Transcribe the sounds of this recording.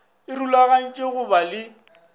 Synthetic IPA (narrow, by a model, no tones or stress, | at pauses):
ɪrulaɣan̩t͡ʃʼeɣʊbalɪ